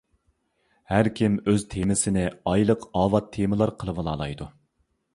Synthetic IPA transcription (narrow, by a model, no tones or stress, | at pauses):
hæɾkʲʰimøzt̪ʰemɪsɪnɪɑjlˠəqɑːwɑt̪ʰːeməlˠɑɾqʰəlˠɨvɨlˠɑːlˠɑ̰jd̪u